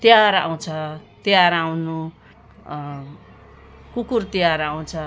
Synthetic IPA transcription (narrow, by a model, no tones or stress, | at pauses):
t̪jaɾa̰w̃t͡sʰʌt̪jaɾawnu | kukurt̪jaɾaw̃t͡sʰʌ